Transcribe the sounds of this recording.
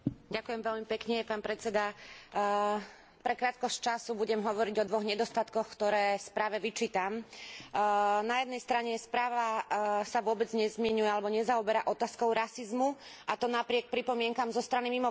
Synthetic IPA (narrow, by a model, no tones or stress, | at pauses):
ɟakʊjɛmʋɛʎmipɛkɲɛpaːnpɾɛt͡sɛd̪a | pɾɛkɾaːt̪̚kɔsct͡ʃasubuɟɛmɦɔʋɔɾiɟɔd̪ʋɔɣɲɛd̪ɔst̪at̪kɔxkt̪ɔɾɛːspɾaːʋɛʋit͡ʃiːt̪am | najɛd̪̚nɛjst̪ɾaɲɛspɾaːʋasaʋʊɔbɛd͡zɲɛzmɪɛɲujɛalɛbɔɲɛzaɔbɛɾaʔɔt̪aːskɔʊɾasizmu | ʔat̪ɔnapɾɪɛk̚pɾipɔmɪɛŋkamzɔst̪ɾanimimɔ